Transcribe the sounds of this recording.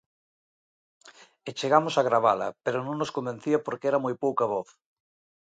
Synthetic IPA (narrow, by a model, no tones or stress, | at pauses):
et͡ʃeɣamosaɣɾaβ̞alɐ̰peɾonõŋnoskõmbenθiɐpoɾkeɛɾamojpowkaβɔθ